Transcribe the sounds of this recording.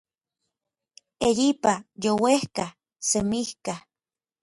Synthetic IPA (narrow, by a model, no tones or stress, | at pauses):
ejipajowehka | semihka